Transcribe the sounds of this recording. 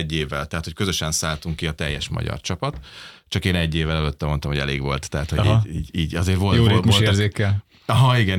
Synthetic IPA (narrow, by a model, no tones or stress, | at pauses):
ɟːeːvːɛlt̪ɛɦːt̪ho̞cʲkøzøʃɛnsaːlt̪uŋkːiɒt̪ɛjːɛʃmɒ̰ɟɒ̰rt͡ʃɒpɒt̪t͡ʃɒkeːnɛɟːeːvːɛlɛløt̪ːɛmo̞nt̪ɒmhoɟɛ̰lḛːɡʋo̞̰lt̪ːɛɦaːt̪hoɟiːiːɟiːɟɒzeːrvoljoːɾeːmiolerzeːkɛl | ɒɦɒiɡɛn